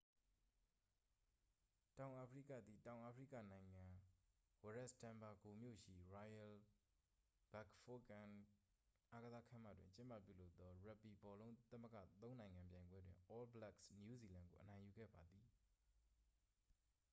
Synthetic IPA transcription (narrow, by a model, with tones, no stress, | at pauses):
tã˨ʊ̃ʔa˨pʰəɹḭ˦˨kä̰˦˨d̪ði˨tã˨ʊ̃ʔa˨pʰəɹḭ˦˨kä̰˦˨nã˨ɪ̃ŋã˨wa˨ɹɛ˦stã˨mba˨ɡo˨mjo̰˦˨ʃḭ˦˨ɹa˨jɛ˨l | b̥a˦˨kfo˦kã˨n | ʔa˦ɡəza˦kʰã̰˦˨ma̰˦˨dwɪ̰̃˨ɲt͡ɕɪ̃˦mpä̰˦˨pjṵ˦˨lo˦ʊt̪ːɔ˦ɹa˦˨pːi˨bɔ˨lõ˦ʊ̃t̪ə˦mə˦ɡä̰˦˨t̪õ˦nã˨ɪ̃ŋã˨mpjã˨ɪ̃mbwɛ˦dwɪ̰̃˨ʔɔ˦lbəlɛ˦ksnju˦˨zi˨lã˨ŋɡo˨ʔə˨nã˨ɪ̃ju˨ɡɛ̰˦˨ba˨d̪ði˨